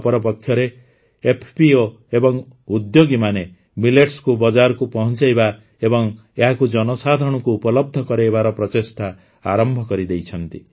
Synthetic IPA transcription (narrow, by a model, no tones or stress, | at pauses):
pɔɾɔpɔkʰjɔɾeː | pʰpio | ebɔŋ | ud̪joɡimane | mileʈskubɔd͡ʒaɾkupɔɦɔnt͡ʃajba | ebɔŋ | eɦakud͡ʒɔnɔsad̪ʱɔɽ̃ɔkuːpɔlɔb̚d̪ʱɔkɔɾeebaɾɔpɾɔt̪esʈ̪ʰa | aɾɔmbʱɔkɔɾid̪ejt͡ʃʰɔnt̪i